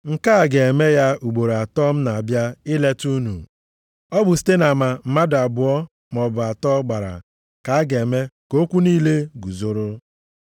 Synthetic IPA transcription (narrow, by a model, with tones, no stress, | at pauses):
ŋ̩˨ka˦˨ɡe˨e˨me˦ja˦u˨ɡ͡bo˨ɾa˨tɔ˦m̩˦na˨a˨bja˦ɪ˦le˦tu˦nṵ˨ | ɔ˦bʊ˨s̬i̥˦te˦na˨ma˨m̩˨ma˦da˨bʊ˨ɔ˦ | m˨ɔ˨bʊ˨a˨tɔ˦ɡ͡ba˨ɾa̰˨ | ka˨a˦ɡe˨me˦ko˦kʷu˦niː˦le˦ɡu˨zo˨ɾʊ˦